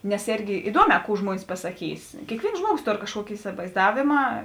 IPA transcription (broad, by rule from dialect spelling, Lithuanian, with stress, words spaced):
nʲɛs ˈeːrʲɡʲɪ ɪˈduɔˌmʲɛː ˈkuː ˈʒmuɔnʲɪs pɐsɐˈkʲiːs kʲeːkˈʋʲeːɪns ˈʒmuɔˌɡoːs ˈtoːr kɐʃˈkuɔkʲɪ ɪsʲɪʋɐɪzˈdɑːʋʲeːmɐ